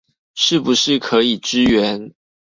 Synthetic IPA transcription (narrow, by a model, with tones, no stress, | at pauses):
ʂɻ̩˥˩bu˨˦ʂɻ̩˥˩kʰɤ˨˧˥i˨˩ʈ͡ʂɻ̩˥ɥɛ˧˦n